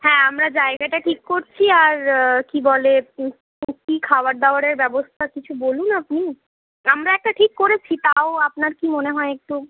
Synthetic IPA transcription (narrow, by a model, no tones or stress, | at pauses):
hɛ̃amɾad͡ʑaeɡaʈaʈʰikkoɾt͡ɕʰiaɾkibɔle | kikʰawaɾd̪aoaɾeɾbɛbost̪ʰakit͡ɕʰubolunapni | amɾaɛk̚ʈaʈʰikːoɾet͡ɕʰit̪aoapnaɾkimoneɦɔeek̚t̪u